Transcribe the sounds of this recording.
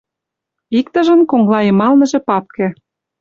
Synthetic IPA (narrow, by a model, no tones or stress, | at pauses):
ikt̪ə̆ʒə̆nkoŋlɑjĕmɑlnɤ̆ʒĕpɑp̚kĕ